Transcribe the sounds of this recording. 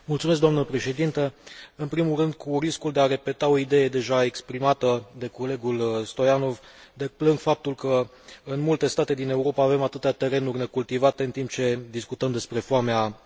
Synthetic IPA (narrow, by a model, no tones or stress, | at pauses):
mult̪sumes̬kd̪oamnəpɾe̞ʃe̞d̪int̪əɨnpɾimulrɨnd̪kʰuriskuld̪eaɾe̞pe̞t̪ao̞id̪e̞je̞d̪e̞ʒae̞kspɾimat̪əd̪e̞ko̞le̞ɡulst̪o̞jano̞vd̪eplɨŋɡfap̚t̪ulkə | ɨnmult̪e̞st̪at̪e̞d̪ine̞uɾo̞paːve̞mat̪ɨt̪eat̪e̞ɾe̞nurʲne̞kult̪ivat̪e̞ɨnt̪imp̚t͡ʃe̞d̪iskut̪əmd̪e̞spɾe̞fwamea